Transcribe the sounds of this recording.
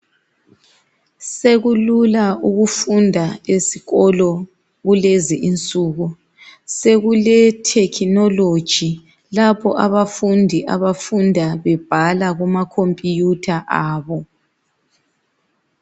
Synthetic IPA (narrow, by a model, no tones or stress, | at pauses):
seɣululauɣufundʱaesi̥ɣɔlɔ | ɣulɛziʔint͡sʼuːɣu | seɣulɛtʰɛkʰinɔlod̥ʒ̥ʱi | lapʰɔʔaβafundʱiʔa̰βafundʱaβɛb̥ʱalaɣumakʰompʼijutʰaʔaːβɔ